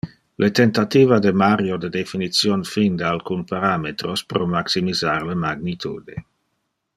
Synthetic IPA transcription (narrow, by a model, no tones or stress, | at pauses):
lʔet̪ent̪at̪iːvad̪emaɾjod̪ed̪efinit̪sjonfind̪alkunpaɾamet̪ɾospɾomaksimizaɾlemaɡnit̪ʰṵːd̪e